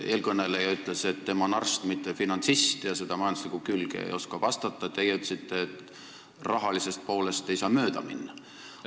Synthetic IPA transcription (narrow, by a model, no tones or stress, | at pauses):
e̞ːlkɤnːelejɑyt̪ˑle̞set̪ːe̞mɑnɑrst̪mit̪ːˑefinɑnsist̪jɑse̞d̪̥ɑmɑjɑnd̪uslikˑukylɡ̥ḛḛjo̞skɑvɑst̪ɑt̪ˑːɑt̪e̞jeyt̪ːˑlesit̪ːeːt̪ | rɑɦɑlise̞st̪̚po̞ːle̞st̪ejsɑːmø̞ːd̪̥ɑminːɑ